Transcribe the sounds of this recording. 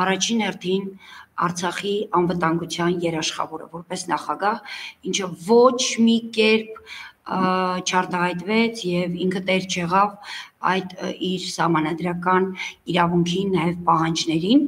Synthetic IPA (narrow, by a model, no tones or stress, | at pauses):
ɑrɑt͡ʃʰinhɛrt̪ʰinɑ̰ɾt͡sʰɑχiɑnvət̪ɑŋɡut͡sʰjɑnjɛɾɑʃχɑ̰vɔɾə̰vɔɾpɛsnɑχɑɡɑhint͡ʃʰəvɔt͡ʃʰmikɛɾp̚ | t͡ʃʰɑɾt̪ɑhɑjt̪vɛt͡sʰjɛviŋkʰət̪ɛɾt͡ʃʰjɛʁɑvɑ̰jd̪iɾsɑhmɑnɑd̪ɾɑkɑniɾɑvuŋkʰinːɑjɛvpɑhɑnd͡ʒnɛɾin